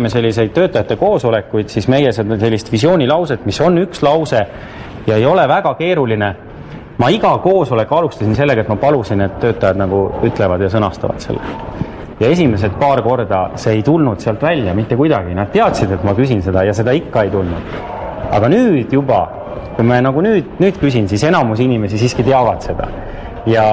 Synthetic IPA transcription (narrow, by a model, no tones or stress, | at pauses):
mese̞lʲːise̞jd̪̚t̪ø̞ːt̪ːˑɑjɑt̪ːe̞ko̞ːso̞le̞kːujd̪̥sisme̞jesed̪se̞lʲːist̪visio̞ːnʲilɑwse̞t̪ːˑmiso̞nːykslɑwse̞ | jɑe̞jo̞le̞væɡ̥ɑke̞ːɾuline | mɑiɡ̥ɑko̞ːso̞le̞kːˑɑlust̪ɑsinse̞lːe̞ɡɑet̪mɑpɑlusine̞t̪tːø̞ːt̪ːˑɑjɑd̪nɑɡ̥uyt̪ːˑlevɑd̪jɑsɤnɑst̪ɑ̰vɑ̰t̪se̞̰lːḛ | jɑe̞s̬ʲime̞s̬e̞t̪̚pɑːrko̞rd̪̥ɑ̰se̞ːjt̪ulnud̪̥seɑlt̪vælʲjɑmit̪ːekujd̪ɑɡinɑd̪̥̚t̪e̞ɑt̪sid̪e̞t̪mɑkysinse̞d̪̥ɑjɑse̞d̪̥ɑikːɑe̞jt̪ulnṵd̪̥ | ɑ̰ɡ̥ɑnyːd̪̥jub̥ɑ̰ | kumɑnɑɡ̥unyːd̪̥nyːd̪̥kysinsise̞nɑmus̬inʲime̞sisiːskit̪eɑvɑd̪̥se̞d̪̥ɑ̰ | jɑ